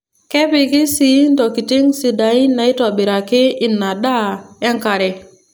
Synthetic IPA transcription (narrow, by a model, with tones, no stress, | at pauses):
kɛ˦pi˨ki˦si˨˦ndɔ˨ki˨ti˦ŋsi˨da˨i˦na˨i˦tɔ˨bi˨ɾa˨kɪ˦i˨nːa˨ɗa˦e˦ŋka˨ɾe˨